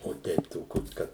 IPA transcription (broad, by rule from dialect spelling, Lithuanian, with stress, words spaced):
oː ˈtʲɛɪp toːˈkʲoːs ˈkɐt